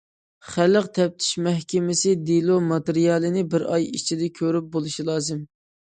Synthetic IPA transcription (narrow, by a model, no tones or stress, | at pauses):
χælːəqt̪ʰɛp̚t̪ʰɪ̥ʃmɛhkʲɪmɪsɪd̪ilˠomɑt̪ɪɾijɑːlˠɨnɪbɪɾɑjit͡ʃʰid̪ɛkʲʰøɾyp̚bolˠuʃilˠɑːzɨm